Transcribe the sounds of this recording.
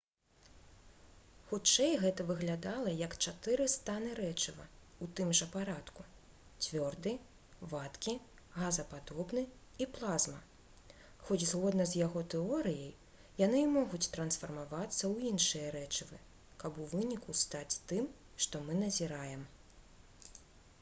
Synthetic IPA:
xut͡ʂɛjɣɛt̪ɐvɨɣlʲad̪alˠɐjɐkt͡ʂat̪ɨɾɨst̪anɨɾɛt͡ʂɨvɐ̰ut̪ɨmʐɐpaɾat̪ku | t͡sʲvʲɔrd̪ɨ | vat̪kʲi | ɣazɐpad̪ɔbnɨ | iplˠazmɐ | xɔt͡sʲzɣɔd̪nɐzjaɣɔt̪ɛɔɾɨjɐj | janɨimɔɣut͡sʲt̪ɾɐn̪sfɐrmavat̪sːɐwinʂɨjɐɾɛt͡ʂɨvɨ | kɐbuvɨnʲikust̪at͡sʲt̪ɨm | ʂt̪ɔmɨn̪ɐzʲiɾajɛm

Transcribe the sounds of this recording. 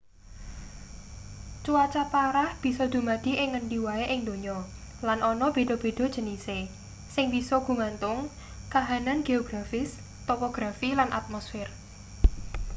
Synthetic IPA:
t͡ʃuat͡ʃapaɾahb̥i̤sɔd̪̥ṳmad̪̥i̤ʔɪŋːənɖiwaeʔɪŋd̪o̤ɲɔ | lanʔɔnɔb̥e̤ɖ̥ɔ̤b̥e̤ɖ̥ɔ̤d̥ʒ̥ə̤nise | sɪŋb̥isɔɡ̥ṳŋant̪ʊŋ | kaɦananɡ̥eoɡ̥ɾafɪs | t̪opoɡ̥ɾafilanʔa̰t̪̚mɔsfɪr

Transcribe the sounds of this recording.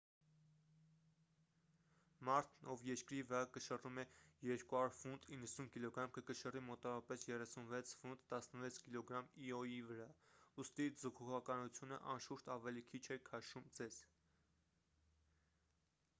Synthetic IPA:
mɑɾt̪ʰnɔvjɛɾkɾivəɾɑkəʃərumɛjɛɾkuɑuɾfund̪inːəsunkilɔɡɾɑmkəkəʃərimɔt̪ɑvɔɾɑpɛsjɛrɛsunvɛt͡sʰfund̪ːɑsnəvɛt͡sʰkilɔɡɾɑmiɔjivəɾɑust̪izukʰuʁɑkɑnut͡sʰjunə̰ʔɑnʃuɾt̪ɑvɛlikʰit͡ʃʰɛkʰɑʃumd͡zɛz̥

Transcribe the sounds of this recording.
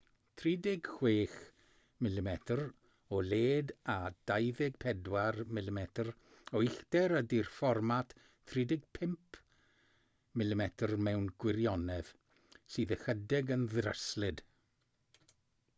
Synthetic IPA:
tʰriːdɪɡ̥hweːχ | mɪlˠɪmɛtʰr | ɔleːdad̥ajðɪɡ̥̚pʰɛdwarmɪlɪmɛtʰr | ɔɪɬtɛɾədirfɔrmatʰ | tʰridɪɡ̥̚pʰɪmpʰ | mɪlˠɪmɛtʰrmɛwnɡwɪɾjɔnɛð | siːðəxədɪɡənðrə̰slɪd̥

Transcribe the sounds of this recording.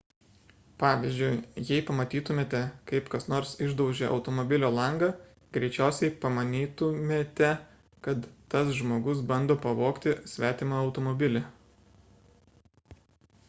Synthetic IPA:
pɑːʋʲɪzʲd͡ʒʲʊɪjɛɪpɐmɐt̪ʲiːt̪ʊmʲeːt̪ʲɛkɐɪpkɐsnoːɾsɪʒd̪ɒʊʒʲeːʔɒ̰ʊt̪omɔbʲɪlʲoːlˠɐŋɡɐ | ɡɾʲɛɪt͡ʃʲæˑʊsʲɛɪpɐmɐnʲiːt̪ʊmʲeːt̪ʲɛ | kɐt̪ːɐsʒmoːɡʊsbɐnd̪oːpɐʋoːkt̪ʲɪsʲʋʲæːt̪ʲɪmɑɐʊt̪omɔbʲɪlʲe

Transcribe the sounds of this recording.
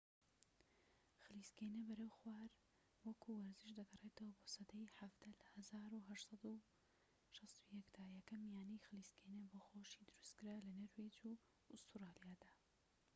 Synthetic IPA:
xɨliskenɐbɐɾewxwaːɾ | wɐkʰuwɐɾzɨʃd̪ɐɡɐrˤeːt̪ʰɐwɐbosɐd̪ɐjħavd̪ɐlɐhɐzaːɾuɦɐʃsˤɑd̪u | ʃɑst̪ujɛkd̪aːjɛkɐmijaːnijxɨliskʰenɐboːxoʃid̪ɨɾust̪kɨɾaːlɐnɐɾwed͡ʒu | ʊst̪uɾaːlijaːd̪̥aː

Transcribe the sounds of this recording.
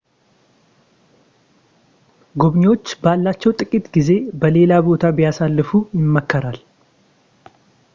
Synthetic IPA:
ɡobɲwo̞t͡ʃːbalːat͡ʃːɛwt̪ʼɨkʼit̪ɡize̞bəle̞labo̞t̪ʰabɪjasalːɨfujɪmːəkːəɾal

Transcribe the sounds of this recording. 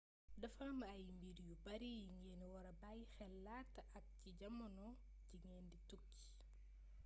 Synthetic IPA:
dɐfamɐɐjmbiɾjubɐɾijiŋɛːnwɐɾɐbajxɛlːaːtːɐʔɐk̚ciɟɐmːɐnɔ | ɟiŋɛːnditukːi̥

